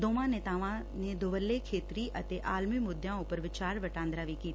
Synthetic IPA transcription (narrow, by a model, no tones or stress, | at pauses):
d̪oːʋãnẽt̪aːʋã | nẽd̪oʋəlːekʰeːt̪ɾiʔɐt̪eʔaːlmimʊd̪ʱjãʊpəɾʋɪt͡ʃaːɾʋɐʈãːnd̪ɾaʋikiːt̪